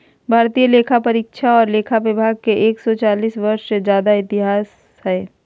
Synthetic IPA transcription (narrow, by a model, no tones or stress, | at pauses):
bʱaːɾt̪ijəleːkʰapɐɾiːkʃʰaɔːɾleːkʰaʋɪbʱaːɡ̚keʔeːksɔt͡ʃaːliːsʋɐɾʃsed͡ʒjaːd̪aɪt̪ɪɦaːs | hɛː